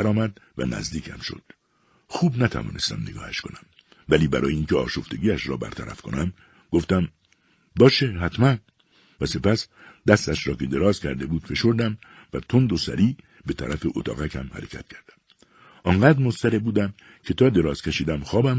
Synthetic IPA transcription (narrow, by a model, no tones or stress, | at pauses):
ɾɒːmæd̪̚væ̰næ̰zd̪iːkʰæ̰mʃo̰d̪̥ | xuːbnæt̪ʰæ̰vɒ̰ːne̞st̪æ̰mneɡɒ̰ːhæʃko̞næm | væliːbæɾɒːjeiːŋcʰeɒ̰ːʃoft̪e̞ɟiːæʃɾɒ̰ːbæ̰ɾt̪ʰæ̰ɾæ̰fko̞̰næm | ɡoft̪æm | bɒːʃeɦæt̪ʰmæn | væse̞pæsd̪æst̪æʃɾɒːke̞d̪e̞ɾɒːzcʰæɾd̪e̞buːd̪fe̞ʃo̞ɾd̪æm | væt̪ʰond̪osæ̰ɾiː | be̞t̪ʰæ̰ɾæfeʔot̪ʰɒ̰ːɣæcʰæ̰mhæ̰ɾe̞cʰæt̪̚cʰæɾd̪̥æm | ʔɒːŋɢæːd̪ɾmost̪æɾebuːd̪æm | cʰe̞t̪ʰɒːd̪e̞ɾɒːz̥kʰʲeʃiːd̪æmxɒːbæm